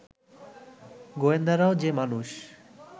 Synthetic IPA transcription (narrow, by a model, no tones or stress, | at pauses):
ɡoend̪aɾaod͡ʑemanuʃ